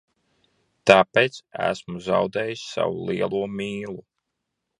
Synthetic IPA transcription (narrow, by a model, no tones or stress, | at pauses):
t̪aːpejt̪sæ̰smuzawd̪ɛːjisʲsa̰wulˠiɛlˠuɔmiːlˠu